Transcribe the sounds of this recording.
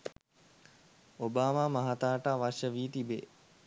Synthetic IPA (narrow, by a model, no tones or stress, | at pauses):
obaːmaːmaɦat̪aːʈaːʋaʃəʋiːt̪ibeː